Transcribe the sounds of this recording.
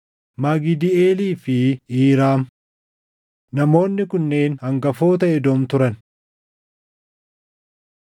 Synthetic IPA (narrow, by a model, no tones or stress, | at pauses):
maɡɪd̪ɪeːliːfɪiːɾaːm | nɐmo̞ːnːɪkʊnːe̞ːnhɐŋɡɐfoːt̪̬ɐɛd̪oːmt̪ʊɾɐn